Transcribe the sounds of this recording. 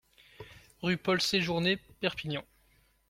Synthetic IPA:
ʁypɔlseʒuʁnepɛʁpinjɑ̃

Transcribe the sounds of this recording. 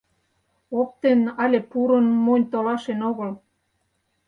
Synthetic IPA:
op̚t̪enɑlʲepuɾə̆nmonʲt̪olɑʃenoɣɤ̆l

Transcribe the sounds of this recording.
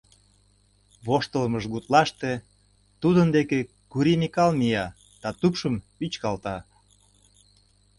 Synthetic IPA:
βoʃt̪ələməʒɣut̪lɑʃt̪e | t̪ud̪ənd̪eke | kuɾimikɑlmijɑ | d̪̥ɑt̪upʃəmpit͡ɕkɑlt̪ɑ

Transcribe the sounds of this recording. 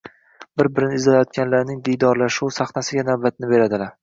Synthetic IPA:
bɪɾbɪɾɪnɪːzlajɒt̪̚kʲanlaɾnɪŋd̪ijd̪ɒɾlaʃuwsaχnasɪɡʲanawbat̪̚nɪbe̞ɾad̪ɪlaɾ

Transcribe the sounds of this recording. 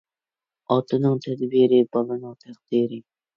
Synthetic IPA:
ɑt̪ʰɨnɨŋt̪ʰɛd̪biɾɪbɒlˠɨnɨŋt̪ʰæqd̪iːɾɪ

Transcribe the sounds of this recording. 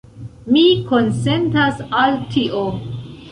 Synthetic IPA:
mikonsentasaltʰiʔo

